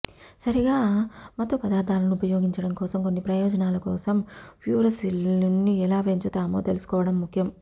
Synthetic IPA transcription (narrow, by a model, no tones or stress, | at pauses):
sɐɾiɡaːmɐt̪opɐd̪aːɾd̪ʱaːlɐniupɐjoːɡiɲt͡ʃɐɽɐmkɔːsɐmko̞nːipɾɐjɔːd͡ʒɐnaːlɐkɔ̰ːsɐmʋjuːɾɐsilnːiɛlaːʋeɲt͡ʃut̪aːmo̰ːt̪elusu̥kɔːʋɐɽɐmːukʰjɐm